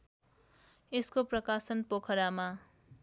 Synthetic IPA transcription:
eskoprʌkasʌnpokʰʌɾama

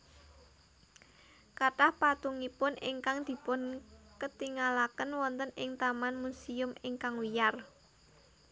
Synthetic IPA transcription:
kaʈahpat̪uŋipʊnʔɪ̰ŋkaŋd̪̥i̤pʊnkət̪iŋalakənwɔnt̪ənɪŋt̪amanmusiʊmɪŋkaŋwijar

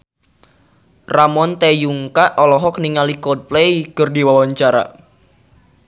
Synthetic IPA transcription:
ramɔnt̪ejuŋkaʔɔlɔɦɔk̚niŋalikɔd̚plejkərdiwawaɲt͡ʃaɾa̰

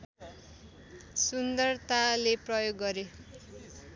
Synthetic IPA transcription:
sund̪ʌrt̪aleprʌjoɡːʌɾe

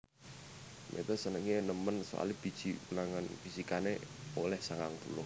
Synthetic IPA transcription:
mʔḛt̪əsənəŋenəmənso̰a̰lib̥i̤d̥ʒ̥iunaŋanfisikaneolɛhsaŋaŋp̪ṵlʊh

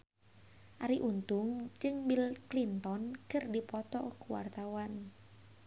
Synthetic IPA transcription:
ʔaɾiʔunt̪ʊŋd͡ʒɨŋbilklint̪ɔnkɨrdipɔt̪ɔkuwa̰rt̪awan

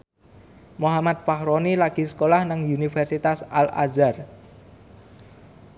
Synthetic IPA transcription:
moɦamat̪̚fahɾonilaɡ̥i̤sə̥kolahnaŋunifɛrsit̪asala̰zar

